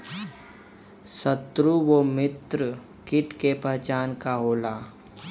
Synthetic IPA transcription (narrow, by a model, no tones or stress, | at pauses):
sət̪ɾuwomɪt̪ɾə | kɪʈkepəɦt͡ʃaːnkaɦoːlaː